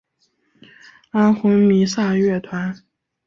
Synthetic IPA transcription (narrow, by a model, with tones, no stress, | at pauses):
a˥nxʊ˧˥ŋmi˧˥sa˥˧ɥɛ˥˩t̪ʰwa˧˥n